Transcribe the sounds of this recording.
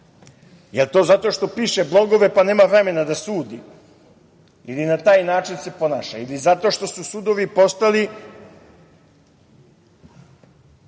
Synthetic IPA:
jelt̪oːzat̪o̞ʃt̪o̞piːʃeblˠo̞ɡo̞ʋe̞pane̞ːmaʋɾe̞me̞nad̪asuːd̪ḭ | ilinat̪aːjnaːt͡ʃinse̞po̞na̰ːʃa̰ilizat̪o̞ʃt̪o̞susud̪o̞ʋipo̞st̪ali

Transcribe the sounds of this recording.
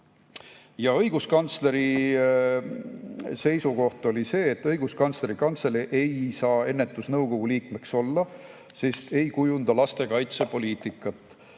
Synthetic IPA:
jɑɤjɡ̥uskɑnt̪sle̞ɾi | se̞jsuko̞ht̪o̞lise̞ːt̪ːɤjɡ̥uskɑnt̪sleɾikɑnt̪selʔe̞jsɑːe̞nːe̞t̪ːˑusnɤwko̞ɡ̥uliːkme̞kso̞lːɑ | se̞st̪ʰe̞jkujund̪ɑlɑst̪ekɑjt̪se̞po̞liːt̪ˑikːˑɑt̪ˑː

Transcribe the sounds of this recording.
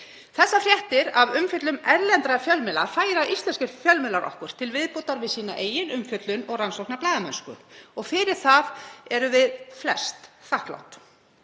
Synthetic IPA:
θɛsːafrjɛht̪ɪɾavʏmfjœt̪lʏmɛɾlɛnt̪ɾafjœlmɪlaɾ̥faːjɾaist̪lɛnskɪɾfjœlmɪlaɾʔɔ̰hkʏɾ̥t̪ʰɪlvɪðpot̪aɾvɪðsiːna̰ʔeːjɪnʏmfjœt̪lʏnɔɣransɔwknaplaːjðamanskʏ̰ɔɣfɪɾɪɾ̥θaðɛɾʏvɪðflɛst̪θahkla̰wnt̪

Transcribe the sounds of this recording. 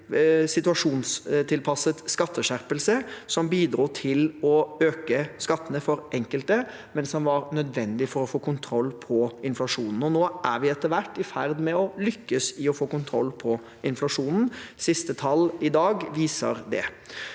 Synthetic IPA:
sɪt̪ʉɑʂuːnst̪ʰɪlpʰɑsət̪skɑt̪ːəʂæɾpəlsəsɔmbiːd̪ɾuːt̪ʰɪlɔøːkəskɑt̪ːənəfɔɾʔɛŋkəlt̪ə | mɛnsɔmʋɑɾnœd̪ʋɛnd̪ɪfɔɾɔfoːkʊnt̪ʰɾɔlːpʰɔɪnflɑʂuːnn̩ɔnoːʔæɾʋɪɛt̪ːəʋæʈːɪfæɾd̪mɛɔlʏkːəsɪɔfoːkʊnt̪ʰɾɔ̰lːpʰɔ | ʔɪnflɑʂuːnn̩sɪst̪ət̪ʰɑlɪd̪ɑːɡʋiːsə̰ɾd̪ɛ̰

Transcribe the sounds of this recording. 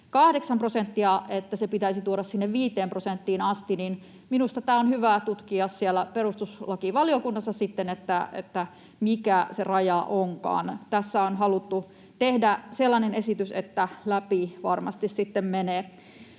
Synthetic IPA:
kɑhdeksɑmprosent̪ːiɑet̪ːæsepit̪æisit̪uoɾɑssinːeʋʋiːt̪ˑeːmprosent̪ːiːnɑst̪inin | minust̪ɑt̪æːonhyʋæt̪ut̪kiɑssielːˑæperust̪uslɑkiʋɑliokunːɑsːɑsit̪ːenet̪ːæḛt̪ːæ | mikæserɑjɑʔoŋkɑ̰ːnt̪æsːæonɦɑlut̪ːu | t̪ehdæselːɑnenesit̪ysḛt̪ːælæpiʋɑrmɑ̰st̪issit̪ːemmeneː

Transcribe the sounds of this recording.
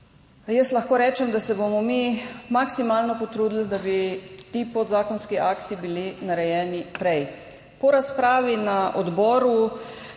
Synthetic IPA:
jɛslaxkoːɾɛːt͡ʃɛmd̪asɛbomɔmimaksimaːlnɔpɔt̪ɾuːd̪l̩d̪abit̪iːpod̪zaːkɔnskiʔaːkt̪ibilinaɾɛjɛːnipɾɛj | pɔɾaspɾaːʋinaʔɔd̪bɔːɾu

